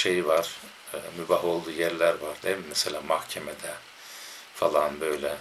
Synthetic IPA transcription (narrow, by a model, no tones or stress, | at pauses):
ʃejivaɾ̥ | mybaɦo̞lˠd̪uːjæɾlʲæɾvaɾd̪emimeselʲaːmahcʰemed̪ɛ | falˠanbø̞jlʲɛ